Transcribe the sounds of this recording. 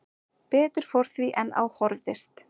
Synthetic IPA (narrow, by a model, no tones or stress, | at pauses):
pɛːt̪ɪɾ̥fɔɾ̥θviʔɛna̰whɔɾðɪst̪